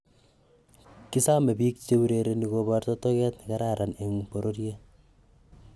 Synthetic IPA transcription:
ki˦sa˦me˨biː˦k̚t͡ʃe˦u˦ɾeɾe˦niɣobartɔto˦kɛ˦tnɪka˦ɾa˦ɾʔane˨ŋpo˨ɾo˦rje˦

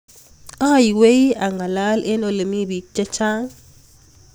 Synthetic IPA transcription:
a˦˨jwe˦ja˨ŋa˨la˦lɛ˦nɔ˨le˨mi˦bi˨k̚t͡ʃɛ˦t͡ʃʰa˦ŋ

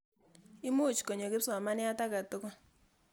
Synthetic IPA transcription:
ɪ˦mu˦˨t͡ʃko˨ɲo˨ɡɪ˦sa˨ma˦nɪ˦a˦ta˦ka˨to˦kɔ˦

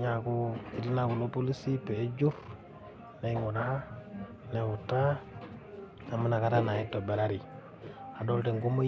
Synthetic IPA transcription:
ɲa˨kui˨ti˦na˦ku˨lo˦po˦li˦si˦pe˨e˦d͡ʒu˦ɾ | ne˦ŋu˨da˦ha˦ | ne˨wu˨ta˦ | a˨mːa˦na˨ka˦ta˦na˨i˦tːo˨be˨ɾa˦ɾi˨ | a˨do˦lte˨ŋɡu˦ma˦

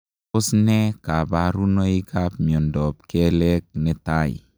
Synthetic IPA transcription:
ʊ˦snɛ˦ka˨ba˦ɾu˦no˦i˦kʰa˦p̚mi˨ɔ˨ndɔ˨p̚kɛ˦lɛ˦k̚nɛ˦ta˦˨ḭ˨

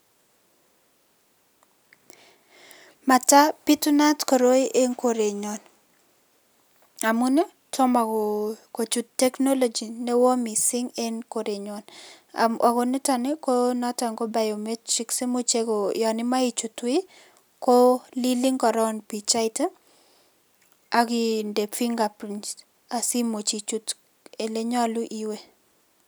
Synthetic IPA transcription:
ma˨ta˦pi˦tu˦na˦tko˨ɾo˦i˦ʔe˦nko˨ɾe˨ɲo˨n | a˨mu˦ne˦ | tɔ˦ma˨koko˨t͡ʃu˨ttːɛ˦kno˦lo˨d͡ʒi˨ne˦wo˦mi˨sɪ˦ŋe˦nko˨ɾe˨ɲɔ˨n | a̰mʔa˨kɔ˨nɛ˦ta˨ne˦ko˦na˦ta˨ŋɡɔ˦ba˨jo˨me˦tːi˦kse˦mo˦t͡ʃe˦ɡɔ˨jɔ˨nɪ˦ma˦i˦t͡ʃu˨twɪ˦ | ko˦li˦li˦ŋkɔ˨ɾɔ˦npi˨t͡ʃa˦ɪ˦ta˦ | a˦ɡɪ˦nde˨fi˦ŋɡa˨pɾi˨nt͡ʃ | a˨si˦mo˨t͡ʃi˨t͡ʃu˨t | e˨le˦ɲa˦lʊ˦ʔi˨we˦

